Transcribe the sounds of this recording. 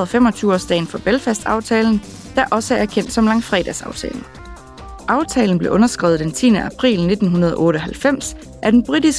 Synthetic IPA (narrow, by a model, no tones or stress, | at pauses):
ð̩ˠɒfem̰ɒ̽t͡sʰyːʊɒsd̥ɛ̰ɪn̩fɒ̽b̥elfæsd̥ɑ̈ʊt͡sʰɛːln̩ | d̥æʔɒ̽səæɐæɐkʰen̰d̥sɒ̽mlɑ̈ŋfʁɛ̰ːd̥æsɑ̈ʊt͡sʰɛ̰ːln̩ | ʔɑ̈ʊt͡sʰɛːln̩b̥le̝ʔɔ̽nɐsɡ̥ʁḭːʊð̩ˠd̥ent͡sʰiːnəʔæpʰʁḭːlne̝d̥n̩ɦunɐð̞ˠɒ̽ʔɔ̽ːɾəɒ̽ɦælfem̰s | ʔæɐd̥enb̥ʁid̥isɡ̥